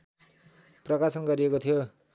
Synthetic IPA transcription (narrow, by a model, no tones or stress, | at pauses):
prʌkasʌnɡʌɾiekot̪ʰijo